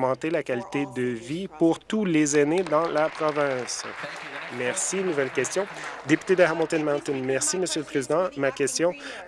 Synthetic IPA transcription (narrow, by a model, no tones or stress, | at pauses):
mɑ̃t̪elakʲalit̪ed̪əvipuʁt̪ulezaned̪ɑ̃lapχɔvɛ̃s | mɛʁsinuvɛlkʲɛst̪jɔ̃d̪epy̥t̪ed̪əɦamɔ̃t̪ɛnmaʁt̪ɪnmɛʁsiməsjøləpχezid̪ɑ̃makʲɛst̪jɔ̃